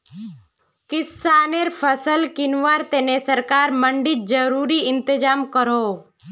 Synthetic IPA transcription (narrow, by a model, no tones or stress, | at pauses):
kɪsaːneɾpʰəsəlkɪnʋaːɾt̪enesəɾkaːɾməɳɖɪt̪̚d͡ʒəɾuːɾiɪnt̪ɪd͡ʒaːmkəɾoː